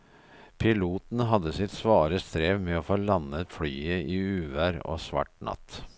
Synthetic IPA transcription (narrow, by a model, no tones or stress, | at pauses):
pʰɪluːt̪n̩ɦɑd̪əsɪt̪sʋɑːɾəst̪ɾeːʋmɛoːfoːlɑnət̪flyːəʔiːʉːʋæːɾo̰ːsʋɑ̰ʈnɑ̰t̪